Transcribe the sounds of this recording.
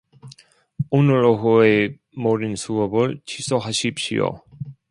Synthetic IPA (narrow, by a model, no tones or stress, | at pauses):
onɯɭoɦue | moɾinsʰuɡʌbɯɭt͡ɕʰisʰoɦaɕʰip̚ɕ͈ḭo̰